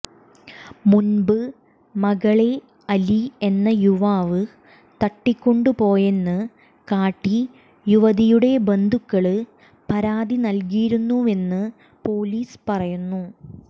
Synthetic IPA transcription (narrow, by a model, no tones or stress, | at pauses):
munbɨ | mɐɣɐɭe̞ | ɐlie̞nːɐjuʋaːʋɨ | t̪ɐʈːikʲːo̞ɳɖɨpo̞ːje̞nːɨ | kaːʈːi | juʋɐðijuɽe̞be̞nd̪ʱukːɐɭɨ | pɐɾaːd̪inɐlkijiɾunːue̞nːɨ | po̞ːliːspɐrɐjunːu